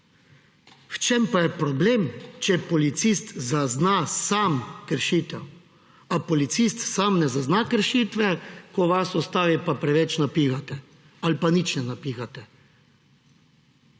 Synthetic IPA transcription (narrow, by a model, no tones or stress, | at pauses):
wt͡ʃempajɛpɾɔblemt͡ʃɛpɔlit̪sist̪zaznasamkəɾʃiːt̪ɛw | apɔlit̪sist̪samnɛzaznakəɾʃit̪ʋɛkɔʋasɔst̪aːʋipapɾɛʋɛt͡ʃnapixat̪ɛ | alpanit͡ʃnɛnapixat̪ɛ